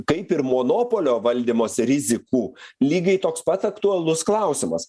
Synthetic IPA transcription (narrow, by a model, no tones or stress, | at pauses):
kɐɪpɪɾmoːnoːpoːlʲoːʋɐlʲd̪ʲiːmoːsʲɾʲɪzʲɪkuːlʲiːɡɐɪt̪oːkspɐt̪sɐkt̪ʊɐlˠʊsklˠɐʊsʲɪmɐ̰s